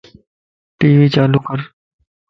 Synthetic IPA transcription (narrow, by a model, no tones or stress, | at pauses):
ʈiːʋiːt͡ʃaːluːkəɾ